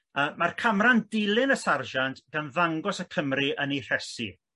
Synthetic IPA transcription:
əːmarkʰamrandɪlˠɪnəsarʒantɡ̥anðaŋɡɔsəkʰəmriʔənir̥ɛsḭ

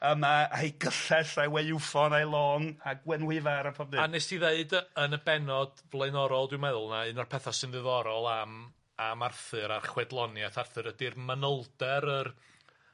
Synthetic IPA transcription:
əmaajɡəɬɛsawejufɔnajlˠɔːnaɡwɛnwɪvaɾapʰɔb̚dɨanesiðeɨdəənəbɛnɔd | vlˠeɨnɔɾɔlˠdɪwmɛðʊlˠnaɨnɔrpʰɛθasɨnðɨðɔɾɔlˠam | amarθɨɾarχwɛdlˠɔnjaθarθɨɾədirmənəlˠdɛɾər

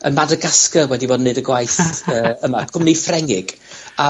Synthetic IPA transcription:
ə̰nmadəɡaskəwɛdibɔːdnːɨdəɡwajθəːəmaɡ̥ʰʊmnifrɛŋɪɡ̥ | a

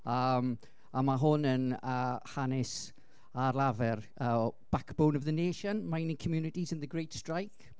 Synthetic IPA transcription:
əm | amaɦʊnənəhanɪs | arlˠavɛr | əb̥akʰb̥onəvðəneːʃənmainikʰəmjunɪtizə̃nðəɡrejtstrajk

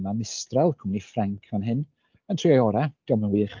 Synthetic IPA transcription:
manɪstralˠkʰʊmnifraŋkʰanɦɨn | əntʰr̥iajɔɾaɡ̥əmnəwɨːχ

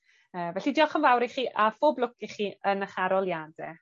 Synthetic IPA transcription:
əːvɛɬidɪɔχənvawɾiχiːʔafoːblˠʊkiχiːənəχaɾɔlˠjadɛ

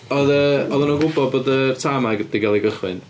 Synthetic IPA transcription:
ɔðəɔðənɔɡʊbɔd̚boːdərtʰamaɡəd̥iɡalˠiɡəχwɨ̰n

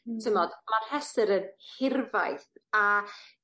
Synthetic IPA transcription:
tʰɪmɔd̥mar̥hɛsɨɾənhɪrva̰jθa

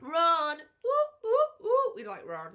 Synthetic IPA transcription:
ɹʌn | uuuwilaɪkɹʌ̃n

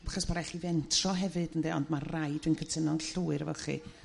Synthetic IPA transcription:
aχɔsbaɾaɛχivɛntʰrɔɦɛvɨdəndɛɔndmarrajdwɨnkʰətʰənɔnɬuːɨɾəvɔχḭ

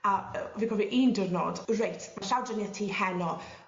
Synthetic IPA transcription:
aviːkʰɔviʔiːndərno̰ːdrejtʰmanɬawdənjɛtʰiːhɛnɔ

